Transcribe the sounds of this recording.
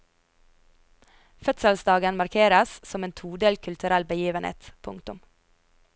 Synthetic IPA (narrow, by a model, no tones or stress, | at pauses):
fœt̪səlsd̪ɑːɡənmɑɾkʰeːɾəssɔmeːnt̪ʰuːd̪eːlkʰʉlt̪ʰʉɾælbəjiːʋənhḛːt̪pʰʊ̰ŋt̪ʊm